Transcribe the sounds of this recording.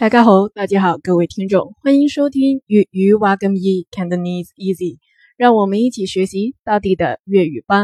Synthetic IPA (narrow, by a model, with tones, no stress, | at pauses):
kʰa˥˩kʰa˥xo˧˥ʊt̪a˥˩t͡ɕja˥xɑ˨˩ʊkɤ˥˧we˥˩ɪt̪ʰi˥ŋʈ͡ʂʊ˥˩ŋxwa˥ni˧˥ŋʂo˥ʊt̪ʰi˥ŋy˧˥˩y˧˥wa˧˥kə˥ni˥˩kʰɛ˥nd̪ə˧ni˧si˥˩zi˨˩ | ɻɑ˥˩ŋwɔ˨˩mə˦ni˥˩t͡ɕʰi˨˩ɕɥɛ˧˥ɕi˧˥t̪ɑ˥˧ʊt̪̬i˥˩d̪ə̰˩ɥɛ˥˩y˨˩pa˥n